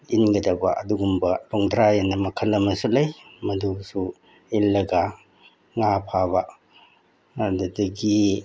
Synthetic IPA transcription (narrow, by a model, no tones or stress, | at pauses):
inɡɐdɐbaʔɐduɡumbɐlɔŋdɾajanɐmɐkʰɐlɐmɐsulɐjmɐdusu | ilːɐɡa | ŋapʰaba | dudɐɡi